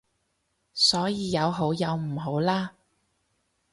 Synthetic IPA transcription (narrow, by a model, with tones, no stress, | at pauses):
sɔː˨˥jiː˨˧jɐ˨˧wɦo˨˥wjɐ˨˧wm̩˨˩ɦo˨˥wlaː˥